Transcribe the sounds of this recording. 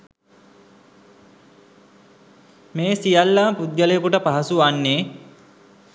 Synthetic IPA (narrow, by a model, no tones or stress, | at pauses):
meːsijalːaːpud̪̚jəlejekuʈəpaɦasuanːeː